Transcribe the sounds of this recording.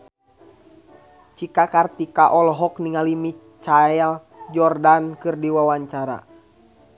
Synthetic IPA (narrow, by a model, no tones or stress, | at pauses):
t͡ʃikakart̪ikaʔɔlɦɔkniŋalimi | t͡ʃaɛl | d͡ʒɔrdankɨrdiwawaɲt͡ʃaɾa̰